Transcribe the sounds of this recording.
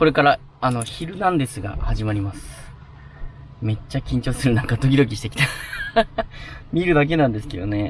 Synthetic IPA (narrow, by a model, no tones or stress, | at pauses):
ko̞ɾe̞kaɾa | ano̞çiɾɯ̟nãnd̪e̞sɨɡa̰haʑimaɾʲimasɨ̥ | me̞t͡ɕːakʲĩɲ̟t͡ɕo̞ːsɨɾɯ̟nãŋkat̪o̞k̬ʲid̪o̞k̬ʲiɕi̥t̪e̞kʲt̪a | mʲiɾɯ̟d̪ak̬e̞nãnd̪esɨ̥ke̞̰d̪o̞̰ne̞